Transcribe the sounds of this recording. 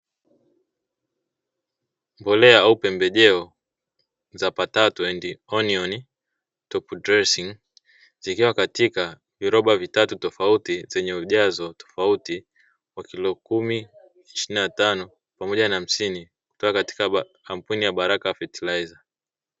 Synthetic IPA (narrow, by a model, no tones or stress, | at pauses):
mbɔlɛaaupɛmbɛʄɛɔ | zapatatuɛndiɔniɔni | tɔpudɾɛsiŋ | zikiwakatika | viɾɔɓavitatutɔfautizɛɲɛuʄazɔtɔ̥fauti | wakilɔkumi | iʃininatanɔ | pamɔʄanaːm̩sini | ku̥tɔkakati̥ka | kampunijaɓaɾakaafɛtilaiza